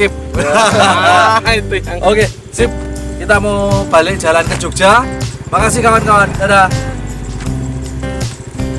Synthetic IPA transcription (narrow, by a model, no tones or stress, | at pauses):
ɪp̚ | ʔoke | sɪp̚ | kit̪amawb̥a̤lɪk̚d͡ʒa̤lankəd͡ʒuk̚d͡ʒa | makas̬ɪhkawankawandaɾa